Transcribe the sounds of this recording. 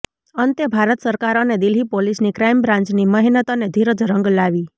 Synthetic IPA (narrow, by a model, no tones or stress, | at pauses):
ənt̪jəbʱaɾət̪səɾkaɾoned̪ilɦipolisnikɾajmbɾãɲt͡ʃniməɦinət̪oned̪ʱiɾəd͡ʒɾə̃ŋɡlaʋi